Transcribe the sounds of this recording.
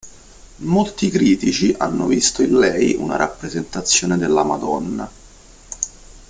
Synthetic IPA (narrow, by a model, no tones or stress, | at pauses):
molt̪ikɾiːt̪it͡ʃiʔa̰nːovist̪oinlɛjṵna̰ɾʔapːɾezent̪at̪sːjoːned̪elːamad̪ɔnːa̰